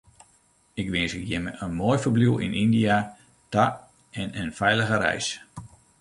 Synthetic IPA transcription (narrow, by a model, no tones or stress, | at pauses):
ɪkʋɪnsəkjɛməʔənmoːjfərbliwɪ̰nʔindia | ta | ɛnənfɛjləɣəɾɛ̰js